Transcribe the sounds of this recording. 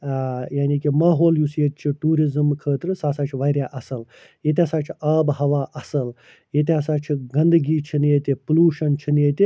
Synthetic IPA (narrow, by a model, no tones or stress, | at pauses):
jaːniːkimaːɦoːljusjet̪̚t͡ʃʰiʈuːɾizɨmkʰəːt̪ɾɨsaːsaːt͡ʃʰiʋaːɾʲjaːʔɐsɐl | jet̪̬ʲɐsaːt͡ʃʰiaːbhɐʋaːʔɐsɐl | jet̪ʲiɐsaːt͡ʃʰiɡɐnd̪ɡiːt͡ʃʰinet̪ʲipuluːʃɐnt͡ʃʰinjet̪i